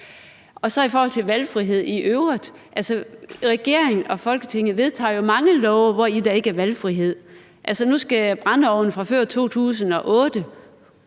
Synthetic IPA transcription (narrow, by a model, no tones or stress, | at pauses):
ɒ̽sɒ̽ifɒːhɒ̽l̰t͡sʰe̝lʋælfʁiɦe̝ð̞̰ˠiʔøʊʁɐð̥ˠ | ʔælsəʁɛɡ̥e̝ɐ̰eŋn̩ɒ̽fɒ̽lɡ̥ət͡sʰe̝ŋ̰ð̩ˠʋe̝ð̞ˠt͡sʰɑ̰̈ːjo̝mɑ̈ŋəlɒʊʋɒid̥æe̝ɡ̥əæɐʋælfʁiɦe̝ð̰ˠ | ʔælsənusɡ̥æb̥ʁɑnəɒʊ̰n̩fʁɑ̈føɐ̰t͡sʰo̝̰ːt͡sʰṵːs̬n̩ɒ̽ʔɔ̽ːd̥ə